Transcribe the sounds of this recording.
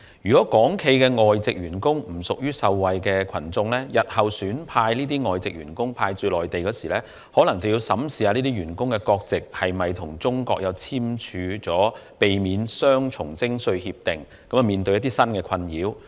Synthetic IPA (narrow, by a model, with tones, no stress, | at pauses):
jyː˨kɔ˨˥kɔː˨˥ŋkʰe˧jkɛː˧ŋɔː˨jt͡sɪ˨k̚jɥyː˨˩nkʊ˥ŋm̩˨˩sʊ˨k̚jyː˥sɐ˧wwɐ˨jkɛː˧kʰɐ˨˩nt͡sʊ˧ŋlɛː˥jɐ˨t̚hɐ˨wsyː˨˥npʰaː˧jliː˥t̪iː˥ŋɔː˨jt͡sɪ˨k̚ɥyː˨˩nkʊ˥ŋpʰaː˧jt͡sɵ˧lɔː˨jt̪e˨jkɔː˨˧˥siː˨˩lɛː˥ | hɔː˨˥lɐ˨˩ŋt͡sɐ˨˩wji˧wsɐ˨˥msiː˨haː˧niː˥t̪iː˥ɥyː˨˩nkʊ˥ŋkɛ˧kɔː˧k̚t͡sɪ˨k̚hɐ˨jmɐ˨jt̪ʰʊ˨˩ŋt͡sʊ˥ŋkɔ̰ː˧k̚jɐ˨˧wt͡sʰiː˥mt͡ʃʰyː˨˧t͡sɔː˨˥ | pe˨jmiː˨˧nsœː˥ŋt͡ʃʰʊ˨˩ŋt͡sɪ˥ŋsɵ˧ɥhiː˧p̚t̪ɪ˨˩ŋ | kɐ˨˥mɐ˨miː˨nt̪ɵ˧ɥjɐ˥t̪̬iː˥sɐ˥nkɛː˧kʰɐ˧njiː˨˥w